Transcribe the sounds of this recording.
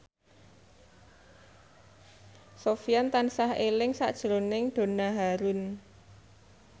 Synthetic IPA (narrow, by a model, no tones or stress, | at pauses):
sofiant̪ansahelɪŋsa̰ʔd̥ʒ̥əɾonɪŋɖ̪̥o̤naɦaɾʊn